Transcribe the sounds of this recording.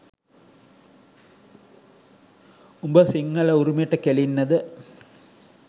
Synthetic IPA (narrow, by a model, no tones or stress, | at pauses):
umboːsiŋːɐɭeuɾumiʈːɨkelinːɐðɨ